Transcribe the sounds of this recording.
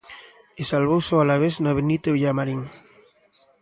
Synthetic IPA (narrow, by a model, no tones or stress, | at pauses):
esalβowsoalaβ̞eznaβenit̪euʎamaɾiŋ